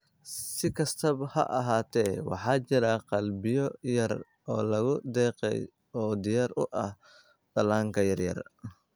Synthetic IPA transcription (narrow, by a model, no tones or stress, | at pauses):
sɪkʰɐst̪ʰɐbhɐ̰ʔɐɦaːt̪ʰɛːwɑ̰ħɑːt͡ʃɪɾɐqɑlbɪjɔjɐr | ɔːlɐɣʊd̪ɛːqɛ̰j | ɔːd̪ɪjaɾʊʔɐh | b̪ɐlaːŋkʰɐjɐrjɐ̰r